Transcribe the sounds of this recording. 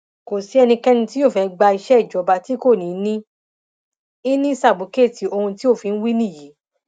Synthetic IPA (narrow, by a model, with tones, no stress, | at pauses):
ko˨si˨˦ɛ˧nĩ˧kɛ˦nũ˧ti˦jo˦˨fɛ˧˦ɡ͡ba˧i˧ʃɛ˦i˦˨d͡ʒɔ˨˦ba˧ti˦ko˦˨nĩ˨˦nĩ˦ | i˦nĩ˦sa˦˨bu˨˦ke˦˨ti˨o˧ũ˧ti˦o˦˨fi˨˧ñ̩˦wi˦nĩ˦˨ji˨˦